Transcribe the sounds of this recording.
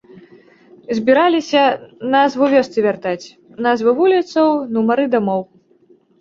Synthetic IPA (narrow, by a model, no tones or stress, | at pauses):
zʲbʲiɾalʲisʲɐnazvɨvʲɔst̪sɨvʲart̪at͡sʲ | nazvɨvulʲit̪sɐwnumɐɾɨd̪amɔw